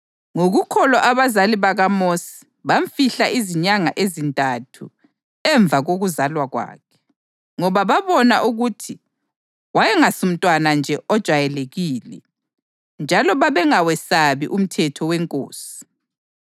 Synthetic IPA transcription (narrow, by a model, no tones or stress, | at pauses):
ŋoɣukʰɔlɔʔaβazaliβaɣamosi̥ | βaɱfiɬaʔiziɲaŋaʔezintʼatʰu | ɛɱb̪vʱaɣoɣuzalwaɣwa̰ːkʰɛ̥ | ŋɔβaβaβɔnaʔuɣutʰi | wajɛŋasum̩tʼwanand͡ʒʱɛʔɔd̥ʒ̥ʱwajɛleɣiːlɛ̰ | nd͡ʒʱalɔβaβɛŋawɛsaβḭʔum̩tʰɛtʰɔwɛŋkʼo̰ːsi̥